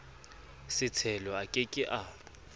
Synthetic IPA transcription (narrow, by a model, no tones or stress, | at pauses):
sɪt͡sʰɛlɔakʼɪkʼɪʔaː